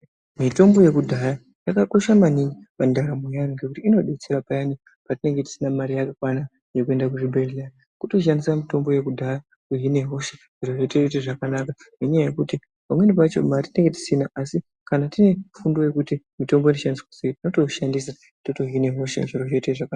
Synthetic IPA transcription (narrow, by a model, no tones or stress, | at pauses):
mito̞mbo̞je̞kudʱaja | jakako̞ʃamaniɲipandaɾamujaniŋɡe̞kutiːno̞ɗet͡seɾapajani | patine̞ŋɡe̞ti̥sinamaɾijakakwana | je̞kue̞ndakuʐibʱerlani | kuto̞ʃ̬andisamito̞mbo̞je̞kudʱaja | uɦine̞ɦo̞ʃe | ʐ̥iro̞ʐeteteʐakanaka | meɲajaje̞kuti | pamwe̞nipat͡ʃo̞̰matine̞ŋɡe̞ti̥sinaʔasi | kanatine̞fundo̞je̞kuti | mito̞mboinoʃandiskwaseitino̞to̞ʃandisa | toto̞ɦine̞ɦo̞ʃḛʐiroʐe̞teʐaka